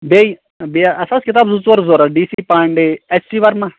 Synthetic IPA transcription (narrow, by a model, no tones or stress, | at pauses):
beːi | biaʔɐsaskɪt̪aːbzut͡ʃʋɐɾzoːɾaɖiːsiːpaːɳɖeet͡ʃsiːʋɐɾmã